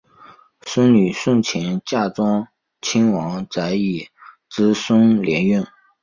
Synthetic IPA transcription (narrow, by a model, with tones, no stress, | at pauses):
sʊ˥ŋny˨˩ʂʊ˥˩ŋt͡ɕʰjɛ˧˥nt͡ɕja˥˩ʈ͡ʂwɑ˥ŋ | t͡ɕʰi˥ŋwɑ˧˥ŋt͡sa˧˥ɪi˨˩ | ʈ͡ʂɻ̩˥sʊ˥ŋljɛ˧˥ny˥˩n